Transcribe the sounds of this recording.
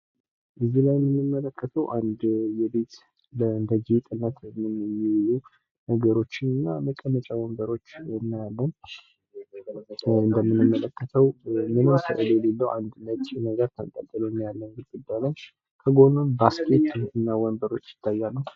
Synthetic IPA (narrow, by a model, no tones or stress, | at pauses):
ʔɨzːilajmːɨnːɨmːələkːət̪ʰəwʔand̪jɛbe̞t̪ | ləɨnd̪əd͡ʒet̪ʼɨnːat̪ʰmɨnmːiwlu | nəɡəɾo̞t͡ʃːɨnɨnːaməkʼːənːət͡ʃʼawɔmbəɾo̞t͡ʃːnːajalːən | ɨnd̪əmːɨnːɨmːələkʰːət̪ʰəwmɨnəwsə̰ʔɨlɛlelːəwʔand̪nət͡ʃ̪ʼnəɡəɾt̪ʰənt̪ʼət̪ʼːɨləɨnːajalːənɡɨlɡud̪ːajloɲː | kʰəɡo̞nonbaskʼe̞t̪ɨnːawɔmbəɾo̞t͡ʃːjɪ̥t̪ʰːajːalːəw